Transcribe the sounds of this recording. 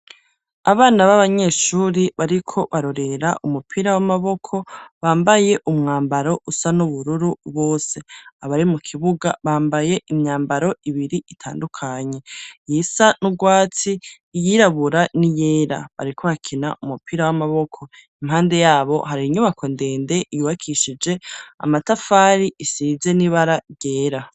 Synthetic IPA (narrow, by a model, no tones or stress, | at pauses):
aβaːnaβaβaɲe̞ʃuːɾiβaɾikʰo̞βaɾo̞ɾe̞ɾaʔumupʰiɾawamaβo̞kʰo̞βaːmbaje̞ʔumŋaːmbaɾo̞ʔusanuβuɾuɾuβo̞ːse̞aβaɾimukʰiβuɡa̰βaːmbaje̞ʔiɲɲaːmbaɾo̞iβiɾiʔitʰa̰ːndukʰaɲe̞jisanuɡwaːt͡si | jiɾaβuɾanijeɾa̰βa̰ɾikʰoβakʰina̰ʔumupiɾawamaβo̞kʰo̞ | imhaːnde̞jaːβo̞̰ɦaɾiɲuβakʰo̞nde̞ːnde̞ʔijuβakʰiʃid͡ʒe̞a̰matafaɾiisize̞niβaɾaɡ̥e̞ːɾa